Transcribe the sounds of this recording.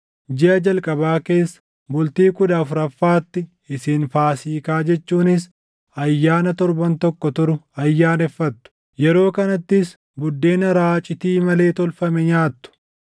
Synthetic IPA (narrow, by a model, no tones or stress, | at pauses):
d͡ʒɪʔɐd͡ʒɐlkʼɐbaːke̞ːsːɐ̥ | bʊlt̪iːkʊd̪aːfʊɾɐfːaːt̪ːɪ | ɪsiːnfaːsiːkaːd͡ʒɛt͡ʃːuːnɪs̬ | ɐjːaːnɐt̪ɔɾbɐnt̪ɔkːɔt̪ʊɾʊɐjːaːnɛfːɐt̪ːʊ̥ | jɛɾo̞ːkɐnɐt̪ːɪs | bʊd̪ːe̞ːnɐɾaːt͡ʃʼɪt̪iːmɐle̞ːt̪ɔlfɐmɛɲaːt̪ːʊ̥